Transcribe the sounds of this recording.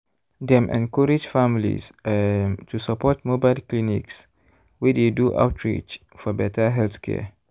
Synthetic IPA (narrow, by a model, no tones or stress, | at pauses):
dɛ̃mʔɛ̰̃nkɔɹid͡ʒfamlḭz | tʰusapɔt̚mobaɪlklinḭks | wideduʔa̰ʊtʰɹḭt͡ʃ | fɔbɛtʰəɦɛlθkʰɛ̰